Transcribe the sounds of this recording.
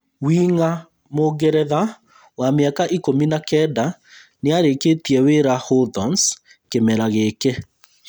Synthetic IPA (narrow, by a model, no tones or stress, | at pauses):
wiŋa | moɡɛɾɛða | wameakaʔikominakɛdaneaɾeketiɛweɾahoðɔns | kemɛɾaɣekɛ